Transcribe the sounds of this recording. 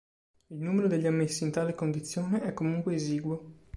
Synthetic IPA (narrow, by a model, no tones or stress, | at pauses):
ilnuːmeɾod̪eʎːiamːesːiːnt̪aːlekond̪it̪sːjoːneɛkːomuŋkweːziːɡwo